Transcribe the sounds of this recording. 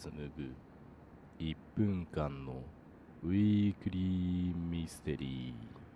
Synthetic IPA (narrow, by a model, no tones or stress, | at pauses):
sɨnɯɡɯ̟ | ipːɯ̟̃ŋkãnːo̞ | ɯ̟ikɯ̟ɾʲimisɨ̥t̪e̞̰ɾʲiː